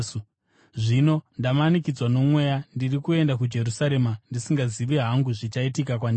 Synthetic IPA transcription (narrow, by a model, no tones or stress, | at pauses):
ʐino̞ndamanikid͡zwano̞mwe̞jandirikue̞ndak̬ud͡ʒe̞ɾusaɾe̞mandisiŋɡaziʋeɦaŋɡuʐit͡ʃaitikakwan